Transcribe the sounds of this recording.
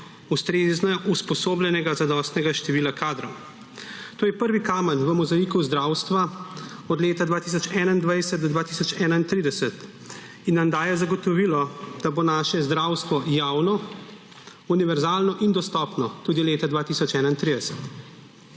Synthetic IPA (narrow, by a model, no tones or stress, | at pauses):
ust̪ɾeznɛʔuspɔsoːblɛnɛɡazad̪ɔst̪nɛɡaʃt̪ɛʋiːlakʰaːd̪ɾɔw | t̪oːjɛpəɾʋikaːmənʋəmɔzaikuzd̪ɾaːwst̪ʋa | ɔd̪leːt̪ad̪ʋaːt̪isɔt͡ʃɛnaind̪ʋajsɛt̪d̪ɔd̪ʋaːt̪isɔt͡ʃɛːnaint̪ɾiːd̪ɛsɛt̪ | inːamd̪aːjɛzaɡɔt̪ɔʋiːlɔd̪̥abonaːʃɛzd̪ɾaːwst̪ʋɔjaːwnɔ | uniʋɛɾzaːlnɔʔind̪ɔst̪ɔpnɔt̪uːd̪ileːt̪ad̪ʋaːt̪isɔt͡ʃɛːnaint̪ɾiːd̪ɛsɛ̥t̪